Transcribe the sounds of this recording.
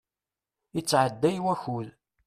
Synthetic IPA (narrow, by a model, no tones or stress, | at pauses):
it͡sːʕəd̪ːæjwæçʊl